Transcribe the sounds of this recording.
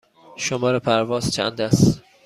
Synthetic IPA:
ʃomɒːɾepʰæɾvɒːzt͡ʃʰæ̰nd̪æst̪

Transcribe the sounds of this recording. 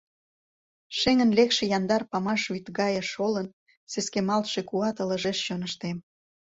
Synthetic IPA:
ʃeŋə̆nlekʃĕjɑnd̪ɑrpɑmɑʃvyt̪ɣɑjəʃolən | seskemɑlt̪ʃekuɑt̪ə̆lə̆ʒeʃt͡ɕonəʃt̪em

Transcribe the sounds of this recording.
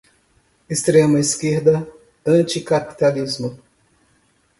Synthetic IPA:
ist̪ɾẽmɐiskeɾd̪ɐ | ɐ̃t͡ʃikapi̥t̪alizmʊ

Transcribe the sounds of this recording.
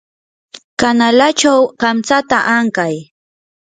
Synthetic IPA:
kanalat͡ʃawkamt͡sat̪aʔaŋkaj

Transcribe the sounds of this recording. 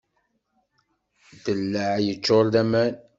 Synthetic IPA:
d̪əlːəʕjət͡ʃːoɾˤðæmæn

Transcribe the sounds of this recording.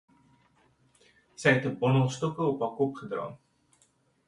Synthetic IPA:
sɛjɦɛtəbɔnəlˠstɔkəɔpɑːkɔpχədrɑ̰ːn

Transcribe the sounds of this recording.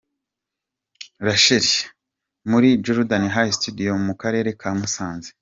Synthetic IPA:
ɾaʃeɾi | muɾid͡ʒuɾudaniɦaistudijo̞mukaɾe̞ːɾe̞kʰaːmusaːnze

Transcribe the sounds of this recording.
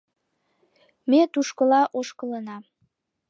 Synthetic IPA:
met̪uʃkəlɑʔoʃkələnɑ

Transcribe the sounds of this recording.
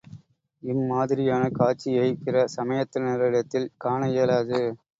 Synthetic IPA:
ɪnmaːðɪɾɪjaːnɐkaːʈt͡ʃːɪjɐɪpɪrɐsɐmɐjɐt̪ːɪlnɪɾɐɪɽɐt̪ːɪlkaːɳɐjeːlaːðɯ

